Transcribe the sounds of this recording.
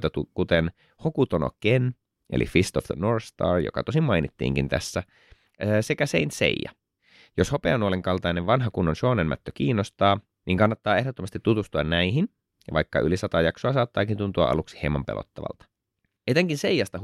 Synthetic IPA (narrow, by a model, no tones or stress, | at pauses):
t̪ɑt̪ukut̪en | hokut̪ono̰ken | ḛlḭfist̪ofðənoɹst̪ɑ̰ːrjo̰kɑt̪osimmɑjnit̪ːḭːŋkint̪æ̰sːæ | sekæseint̪sḛijːɑ̰ | joshopḛnuoleŋkɑlt̪ɑineʋʋɑnɦɑkunːonsoːnenmæ̰t̪ːøk̟iːnːost̪ɑː | niːŋkɑnːɑt̪ːɑːe̞hdot̪ːomɑst̪it̪ːut̪ust̪uɑnnæiɦin | ʋɑikːɑʔylisɑt̪ɑjɑksoɑsɑːt̪ːɑːkint̪unt̪uɑ̰ʔɑ̰luksi̥heimːɑmpelo̰t̪ːɑʋɑ̰lt̪ɑ̥ | et̪eŋkinsejːɑst̪ɑ